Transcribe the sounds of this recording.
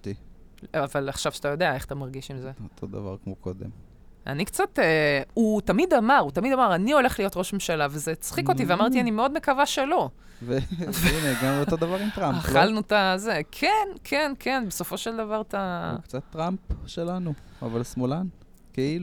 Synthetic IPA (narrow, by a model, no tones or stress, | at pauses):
t̪iavalaχʃavʃat̪ajod̪eae̞χat̪amaʁɡiʃimzeot̪ʰod̪a̰va̰ʁkmokod̪ḛm | ʔa̰nikt͡sat̪eut̪amid̪amaʁut̪amid̪amaʁanio̞le̞χlijo̞t̪ʁoʃmemʃalavezet͡sχiko̞tiveamaʁt̪ianimeo̞d̪me̞kavaʃelo̞ | veveineɡamleoto̞d̪avaʁimt̪ʁampaχalnut̪azekʰenkʰenkʰenbeso̞fo̞ʃeld̪avaʁt̪aukt͡sat̪ːʁampʃelanu | avalsmolan | keilu